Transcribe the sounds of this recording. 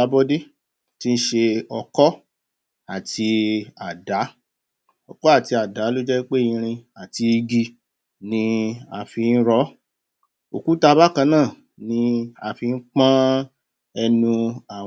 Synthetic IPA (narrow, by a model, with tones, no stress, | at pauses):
a˧˦bɔ˦de˦ | ti˦˧n̩˦ʃe˧ɔ˧kɔ˦ | a˨tʰi˧a˨da˨˦ | ɔ˨kɔ˦a˦˨ti˧a˨da˨˦lo˦d͡ʒɛ˦k͡pe˦˨ĩ˧ɾ̃ĩ˧a˨ti˧i˧ɡi˧ | nĩ˧a˧fi˧n̩˦ɾɔ˦ | o˨ku˨˦ta˧ba˦kã˧nãː˦˨ | nĩ˧a˧fi˧n̩˦k͡pã˦ | ɛ˧nũ˧a˦˨